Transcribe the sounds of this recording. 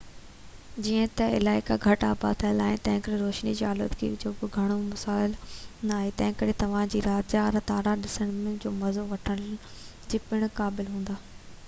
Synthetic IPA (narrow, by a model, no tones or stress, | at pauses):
d͡ʑiːə̃t̪ɐɪ̰laːɪkaɡʱɐʈaːba̰t̪ʰɐjəlaːɪnt̪ɐ̃ɦɪ̃ŋkɐɾeɾoːʃnid͡ʑiaːlə̰t̪kḭud͡ʑoːbɪɡʱɐɽ̃omɐsaːɪlnɐaːɦet̪ɐ̃ɦɪ̃kɐɾet̪ɐʋ̤ãd͡ʑiːɾaːd͡ʑaːɾt̪aːɾaɗɪsəɽ̃mɪ̃d͡ʑoːmɐzoʋɐʈʰəɽ̃ | d͡ʑiːpɪɽ̃kaːbɪlɦũːnd̪aː